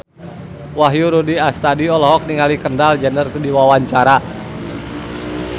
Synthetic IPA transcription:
waɦjuɾudiast̪adiɔlɔɦɔk̚niŋalikəndald͡ʒənərkudiwawaɲt͡ʃaɾa

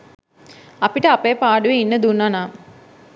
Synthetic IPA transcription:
ɐpiʈəapejpaːɖuʋeinːəd̪unːanaː

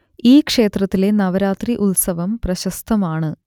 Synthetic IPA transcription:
iːkʂe̞ːt̪rɐt̪ːile̞nɐʋɐɾaːt̪riʔulsɐʋɐmprɐɕɐst̪ʰɐmaːɳɨ

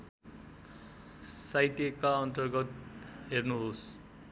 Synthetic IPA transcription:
sajt̪ekaʌnt̪ʌrɡʌt̪ɦernuɦos

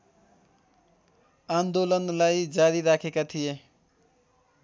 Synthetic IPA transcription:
and̪olʌnlajd͡zaɾiɾakʰekat̪ʰije

